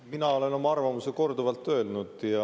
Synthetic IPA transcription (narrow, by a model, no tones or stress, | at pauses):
minɑo̞le̞no̞mɑɑrvɑmuseko̞rd̪uvɑlt̪ːˑø̞ːlnud̪̥jɑ